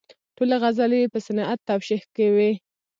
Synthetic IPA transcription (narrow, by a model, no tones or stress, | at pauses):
ʈolaɣazaliepəsanɑʔat̪ːawʃihkawi